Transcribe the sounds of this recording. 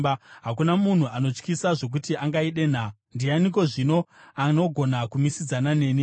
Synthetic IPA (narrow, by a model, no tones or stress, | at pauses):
ɦakunamun̤uano̞t͡ʂkisaʐo̞k̬utiaŋɡaiɗe̞n̤a | ndianiko̞ʐino̞ano̞ɡʱo̞nakumisid͡zanane̞ːni